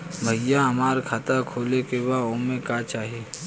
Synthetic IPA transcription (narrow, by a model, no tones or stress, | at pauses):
bʱəɪjaɦɐmaːɾkʰat̪akʰoːlekebaomẽkat͡ʃaːɦieː